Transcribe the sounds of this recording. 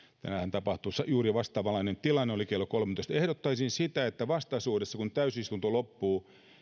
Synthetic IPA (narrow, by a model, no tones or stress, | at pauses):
t̪æ̰næhænt̪ɑpɑht̪usɑjuːriɑʋɑst̪ˑɑːʋɑlːˑɑinent̪ilɑnːeolikelːokolment̪oˑist̪ehɾot̪ːɑisinsit̪æet̪ːæʋɑst̪ɑisuːdesːɑkunt̪æysist̪unt̪olopːuː